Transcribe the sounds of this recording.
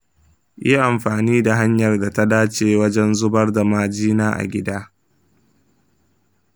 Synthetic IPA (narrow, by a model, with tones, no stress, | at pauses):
jʔi˦ʔa˨mɸaː˨niː˦da˨ɦa˦ɲjɐ˨rda˨ta˦daː˦t͡ʃeː˦wɐ˦d͡ʒɛ˦nzʊ˦bɐ˦rda˨maː˨d͡ʒiː˦naː˦ʔa̰˨ɡʲɪ˦daː˦